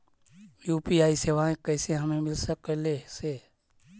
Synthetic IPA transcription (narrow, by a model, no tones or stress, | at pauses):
juːpiaːiseʋaːẽkɛːseɦɐmẽmɪlsəkleseː